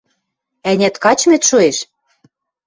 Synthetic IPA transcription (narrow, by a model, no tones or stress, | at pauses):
ænʲæt̪kɑt͡ɕmet̪ʃoeʃ